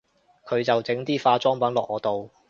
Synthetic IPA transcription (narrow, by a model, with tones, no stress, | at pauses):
kʰɵ˨˧ɥt͡sɐ˨wt͡sɪ˨˥ŋt̪iː˥faː˧t͡sɔː˥ŋpɐ˨˥nlɔː˨k̚ʔɔː˨˧t̪o˨w